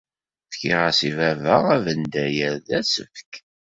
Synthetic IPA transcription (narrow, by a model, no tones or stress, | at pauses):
θçiʁasivævəʁævənd̪æjəɾðæsə̰fk